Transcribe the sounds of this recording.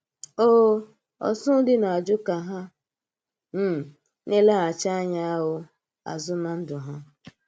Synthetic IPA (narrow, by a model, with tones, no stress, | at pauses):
oː˦ | ɔ̰˨sʊ˦dɪ˦na˨a˨d͡ʒʊ˦ka˨ɦa˦ | m̩˦˨ | ne˦la˦ɦa˨t͡ʃa˦a˦ɲa˦a˦ɦʊ˦ | a̰˨zʊ˦na˨n̩˦dʊ˨ɦa˦